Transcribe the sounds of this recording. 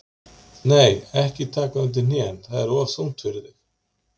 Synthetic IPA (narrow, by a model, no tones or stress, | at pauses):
neːjɛhcɪt̪ʰaːkaʏnt̪̬ɪnjɛnθaðɛɾɔsuwn̥t̪fɪɾɪθɪx